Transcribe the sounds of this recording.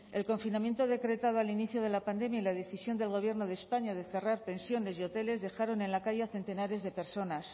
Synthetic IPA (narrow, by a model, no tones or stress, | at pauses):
e̞lko̞ɱfinamje̞nt̪o̞ð̞e̞kɾe̞t̪að̞oaliniθjoð̞e̞lapand̪e̞mjailað̞e̞θisjo̞nd̪e̞lɣ̞o̞β̞je̞ɾno̞ðe̞ːspaɲað̞e̞θe̞raɾpe̞nsjo̞ne̞sjo̞t̪e̞le̞zðe̞xaɾo̞ne̞nlakaʝaθe̞nt̪e̞naɾe̞zðe̞pe̞ɾso̞nas